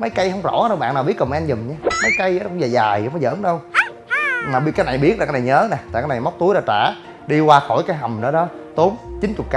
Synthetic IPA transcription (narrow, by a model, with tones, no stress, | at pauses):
mə˨˦jka˧jɦə˧wŋ͡mzɔ̰˧˩˥ɗə˧wɓa̰ː˧˨naː˨˩ɓi˦˥əkə˨˩m˧nzɨ˨˩mɲa˧mə˨˦jka˧jkʊ̰˧˨ŋ͡mzaː˨˩zaː˨˩jwfɔ˨˦jzə̰ː˧˨˦nɗə˧w | maː˨˩˦kaː˨˦jna˨˩jɓi˦ət̚la˨˩aː˦na˨˩jɲəː˨˦nɛ˨˩t̪a̰ː˨kaː˨˦na˨˩ma˦˥k͡p̚t̪u˨˦jɗɔ˧˦t͡ɕaː˧˩ | ɗi˧kwaː˧xo˧˩jkaː˨˦jɦa˨˩mɗɔ˨˦ɗɔ˨˦t̪o˨˦mt͡ɕi˨˦nt͡ɕʊ˨˩t̚ka